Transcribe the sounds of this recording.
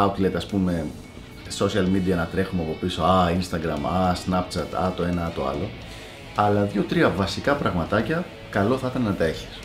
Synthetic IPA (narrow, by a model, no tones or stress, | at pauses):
ɐt̪let̪ɐspume̞ | so̞siɐlmid̪iɐnɐt̪ɾe̞xumeɐpo̞piso̞ɐinst̪ɐɡɾɐmɐsnɐp̚t̪t͡sɐt̪ɐ̰t̪o̞e̞nɐɐt̪o̞̰ɐ̰lo̞ | ɐlɐðʝo̞t̪ɾiɐvɐsikɐpɾɐɣmɐt̪ɐcɐ | kɐlo̞θɐit̪ɐnnɐt̪ɐeçi̥s